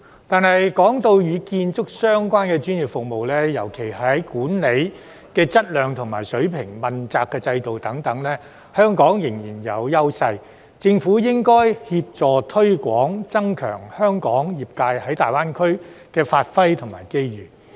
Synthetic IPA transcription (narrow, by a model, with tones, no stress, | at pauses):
t̪aː˨nhɐ˨jkɔː˨˥ŋt̪o˧wjyː˨˧kiː˧nt͡sʊ˥k̚sœː˥ŋkʷaː˥nkɛː˧t͡ʃyː˥nji˨p̚fʊ˨k̚mo˨wlɛ˥jɐ˨˩wkʰe˨˩jhɐ˨˥jkuː˨˥nle˨˧j | kɛː˧t͡sɐ˥t̚lœː˨˧ŋt̪ʰʊ˨˩ŋmaː˨˩jsɵ˨˥ɥpʰɪ˨˩ŋmɐ˨nt͡saː˧kːɛː˧t͡sɐ˧jt̪o˨wt̪ɐ˨˥ŋt̪ɐ˨˥ŋlɛː˥ | hœː˥ŋkɔː˨˥ŋjɪ˨˩ŋjiː˨˩njɐ˨˧wjɐ˥wsɐ˧j | t͡sɪ˧ŋfuː˨˥jɪ˥ŋkɔː˥jhiː˧p̚t͡sɔː˨˩t̪ʰɵ˥ɥkʷɔː˨˥ŋt͡sɐ˥ŋkʰœ̰ː˨˩ŋhœː˥ŋkɔː˨˥ŋjiː˨˩p̚kaː˧jhɐ˨˥jt̪aː˨jwaː˥nkʰɵ˥ɥkɛː˧faː˧t̚fɐ˥jt̪ʰʊ˨˩ma̰ː˨˩jke˥jjyː˨˩